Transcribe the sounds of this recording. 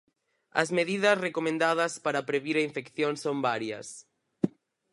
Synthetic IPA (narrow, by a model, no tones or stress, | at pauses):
ɐ̰zmeðiðɐsrekomẽnd̪aðɐspaɾɐpɾeβiɾɐiɱfekθjõŋsombaɾjɐ̰s